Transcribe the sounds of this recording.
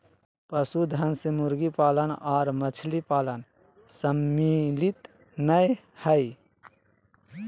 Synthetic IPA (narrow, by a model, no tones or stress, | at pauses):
pəsud̪ʱənsemʊɾɡipaːlənɔːɾmət͡ʃʰlipaːlən | səmːilit̪ | nəj | həi